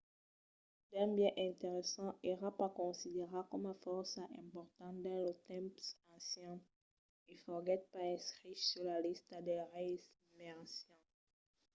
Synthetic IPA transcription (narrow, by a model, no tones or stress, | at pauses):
d̪ɛ̃bjɛ̃ʔɛ̃t̪eʁesɑ̃eʁapakɔ̃sid̪eʁakɔmafɔʁsaʔɛ̃pɔʁt̪ɑ̃d̪ɛ̃lət̪ɛ̃psɑ̃sjɛ̃ | ifɔʁɡɛt̪̚paɛskχisyʁlalist̪d̪ɛʁes | meʁasjɔ̃